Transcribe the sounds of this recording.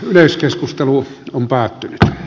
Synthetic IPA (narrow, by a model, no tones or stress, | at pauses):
yleˑskeskust̪eluompæːt̪ːynyt̪